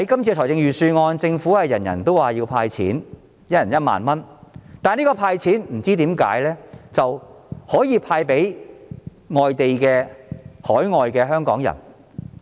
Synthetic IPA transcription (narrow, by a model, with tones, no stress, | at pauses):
ɐ˨˦jkɐ˥mt͡sʰiː˧tʰɔː˨˩jt͡sɪ˧ŋjyː˨˩syː˧ŋɔː˧nt͡sɪ˧ŋfuː˨˥hɐ˨jjɐ˨˩njɐ̰˨˩nt̪o˥waː˨jiː˧wpʰaː˧jt͡sʰḭː˨˥n | jɐ˥jɐ˨˩njɐ˦˥t̚ma̰ː˨nmɐ˥nt̪aː˨niː˥kɔː˧pʰaː˧jt͡sʰiː˨˥nm̩˨˩t͡siː˥t̪iː˨˥mkaː˨˥jlɛː˥t͡sɐ˨whɔː˨˥jiː˨˧pʰaː˧jpe˨˥j | ŋɔː˨jt̪e˨jkɛː˧hɔː˨˥jŋɔː˨jkɛː˧ɦœː˥ŋkɔ̰ː˨˥ŋjɐ̰˨˩n